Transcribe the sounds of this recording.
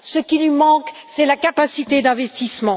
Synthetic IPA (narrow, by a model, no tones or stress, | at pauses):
səkʲilɥimɑ̃ksɛlakapasit̪ed̪ɛ̃vɛst̪ismɑ̃